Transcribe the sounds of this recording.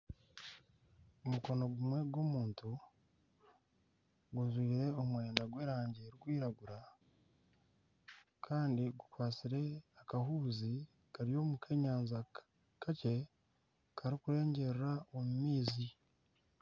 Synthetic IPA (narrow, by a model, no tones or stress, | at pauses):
omuko̞no̞ɡumwe̞ɡwo̞muːntu | ɡuzwiːɾe̞o̞mwe̞ːndaɡwe̞ːɾaːɲɟeːɾiɡwiːɾaɡuɾa | kʰaːndiɡukwaːt͡siɾe̞akaɦuːzi | kaɾijo̞mukʰe̞ːɲaːnza | kʰace̞ | kʰaɾikuɾe̞ːɲɟe̞ɾɾaomumiːzi